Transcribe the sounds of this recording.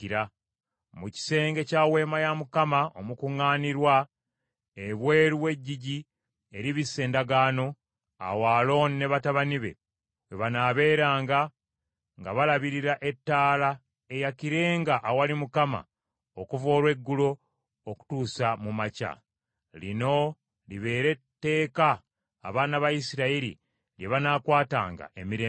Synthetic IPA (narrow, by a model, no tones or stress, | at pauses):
ɾa | muci̥se̞ːŋɡe̞cawe̞ːmajamukamaomukuŋːaːniɾwa | eβwe̞ːɾuwe̞ɟːiɟi | eɾiβisːe̞ːndaɡaːno̞ | a̰waːlo̞ːnine̞βataβaniβe̞̰ | weβanaːβe̞ːɾaːŋɡa | ŋɡaβalaβiɾiɾaʔe̞tːaːla | e̞jakiɾe̞ːŋɡaʔːwalimukama̰ | okuvo̞ːɾwe̞ɡːulo̞ː | ku̥tuːsamumaca̰ | lino̞ | liβe̞ːɾe̞tːe̞ːkaː | βaːnaβajisiɾaiɾḭ | ljeβanakwaːta̰ːŋɡa̰ʔe̞miɾeː